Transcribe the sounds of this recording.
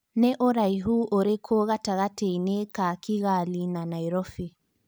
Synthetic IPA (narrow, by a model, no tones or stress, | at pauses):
nɛʔoɾaiɦuːʔoɾekʰoɣataɣateinekakiɣalinanaiɾɔfi